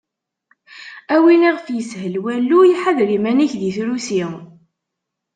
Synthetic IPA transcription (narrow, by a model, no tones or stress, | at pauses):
æwiniʁəfjəshəlwælːujiħaðɾimæniçðiθɾusi